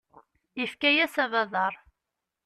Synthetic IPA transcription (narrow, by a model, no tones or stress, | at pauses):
ifkæjæsævæðˤɑɾˤ